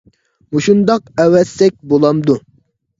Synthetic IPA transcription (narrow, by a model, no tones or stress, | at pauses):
muʃund̪ɑq̚ɛwɛsːɛk̚ʲbolˠɑmd̪u